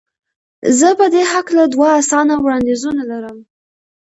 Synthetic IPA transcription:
zəpəd̪eɦaklad̪waːsɑnawɽɑnd̪izunalaɾəm

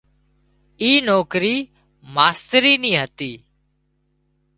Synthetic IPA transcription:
iːnoːkɾiː | maːst̪ɾiːnĩːɦət̪iː

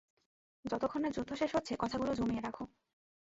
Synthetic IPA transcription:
d͡ʑɔt̪okʰoneɾd͡ʑud̪ʱːoʃeʃɦotːɕʰekɔt̪ʰaɡulod͡ʑomieɾakʰo

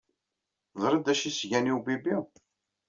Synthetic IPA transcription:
ðˤɾˤəd̪æʃisʝæniwbibi

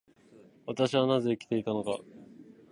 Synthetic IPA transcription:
βat̪aɕiβanaze̞ikʲi̥t̪e̞it̪ano̞ka̰

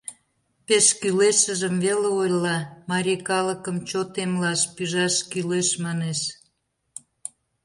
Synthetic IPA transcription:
peʃkyleʃəʒəmβeleojlɑmɑɾʲikɑləkəmt͡ɕot̪emlɑʃpyʒɑʃkyleʃmɑneʃ

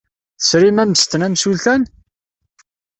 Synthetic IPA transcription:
θə̥sɾimæməst̪ənæmsulθæn

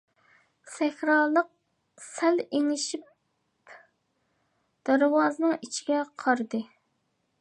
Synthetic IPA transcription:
sɛxʲɾɑːlˠəq̚ | sæleŋɪʃip̚ | d̪̥æɾwɑːzɨnɨŋit͡ʃʰiɡʲɛqʰɑɾɨd̪ɨ

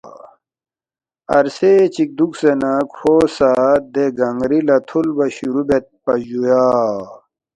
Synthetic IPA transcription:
ɐ̰ɾset͡ɕik̚d̪uksenakʰoːsad̪eɡɐŋɡɾilɐt̪ʰulbɐɕuɾubet̪̚pɐʑujaː

